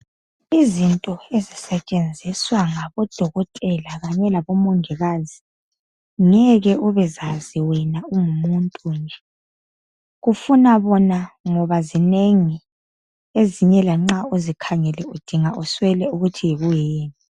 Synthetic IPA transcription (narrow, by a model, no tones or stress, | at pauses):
izintʼɔezisɛt͡ʃʼend͡zʱiswaŋaβɔd̥ʱɔɣɔtʼɛlaɣaɲɛlaβɔmɔŋɛɣazi | ŋɛɣɛʔuβɛzaziwɛnauŋumuntʼuːnd͡ʒɛ | ɣufunaβɔnaŋɔβazineŋi | eziɲɛlaŋ͡ǁauzikʰaŋɛlɛud̥ʱiŋaʔuswɛlɛuɣutʰijeɣujeːni